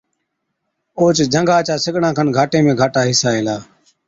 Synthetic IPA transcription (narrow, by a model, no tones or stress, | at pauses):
oːt͡ʃd͡ʒʱəŋɡaːt͡ʃaːsɪɠɳãːkʰənɡʱaːʈẽːmẽːɡʱaːʈaːɦɪsaːeːlaː